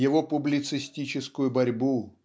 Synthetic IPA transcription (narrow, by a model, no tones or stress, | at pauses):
jɪvopʊblʲɪt̪sɨsʲtʲit͡ɕɪskʊjʊbɐɾʲbu